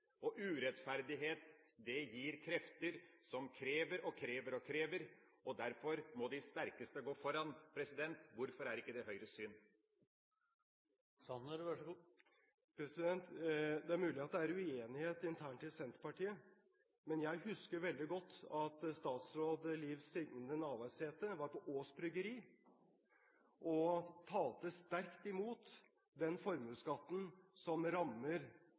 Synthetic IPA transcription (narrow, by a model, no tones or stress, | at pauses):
ɔʔʉːɾɛt̪fæɾd̪ɪɦeːt̪d̪ɛjiːɾkʰɾɛft̪əɾsɔmkʰɾeːʋəɾɔkʰɾeːʋəɾɔkʰɾeːʋəɾʔɔd̪æɾfɔɾmɔd̪ɪst̪æɾkəst̪əɡoːfɔɾɑnpʰɾɛsɪd̪ɛnt̪ʋʊɾfɔɾæɾɪkːəd̪ɛhœʏɾəsʏn | sɑnʋɑ | pʰɾɛsɪd̪ɛnt̪d̪ɛæɾmʉːlɪɑt̪̚d̪ɛæɾʉeːnɪheːt̪ɪnt̪ʰæːɳʈɪlsɛnt̪ɾəpɑʈiːə | mɛnjæɪhʉskəɾʋɛld̪ɪɡɔt̪ʰːɑt̪st̪ɑːt̪sɾoːd̪liːʋsiːɡ̪nnənɑːʋæɪsheːt̪əʋɑɾpɔʔoːsbɾʏɡəɾiː | ʔɔt̪ʰɑːlt̪əst̪æɾkt̪ɪmuːt̪ | d̪ɛnfɔɾmʉskɑt̪ːn̩sɔmɾɑmːəɾ